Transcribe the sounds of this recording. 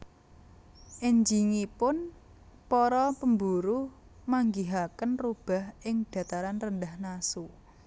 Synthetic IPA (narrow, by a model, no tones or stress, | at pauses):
ʔeɲd͡ʒiŋipʊn | pɔɾɔpəmbuɾu | maŋɡiɦakənrub̥a̤ɦʔɪŋd̥ä̤t̪aɾanrənd̪ahnasu